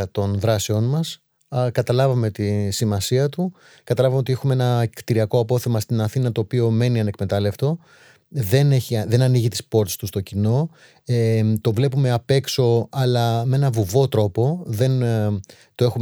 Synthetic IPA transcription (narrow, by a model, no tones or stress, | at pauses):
ɐt̪o̞nðɾɐseo̞nmɐs | kɐt̪ɐlɐvɐme̞t̪isimɐsiɐt̪u | kɐt̪ɐlɐvɐmeot̪ie̞xumeenɐkt̪iɾiɐko̞ɐpo̞θe̞mɐst̪inɐθinɐt̪o̞ːpio̞me̞niɐnekme̞t̪ɐle̞ft̪o̞ | ðe̞ne̞çiɐðe̞nɐniʝit̪i̥spo̞ɾt̪i̥st̪ust̪o̞cino̞ | et̪o̞vle̞pume̞ɐpe̞kso̞ɐlɐmee̞nɐvuvo̞t̪ɾo̞po̞ðe̞n | t̪oe̞xum